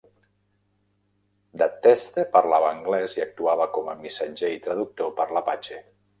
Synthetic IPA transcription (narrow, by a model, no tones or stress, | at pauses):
d̪at̪ɛst̪epərlaβəːŋɡlɛziak̚t̪uaβ̞əkɔməmisad͡ʒeit̪ɾəðuk̚t̪opəɾləpat͡ʃe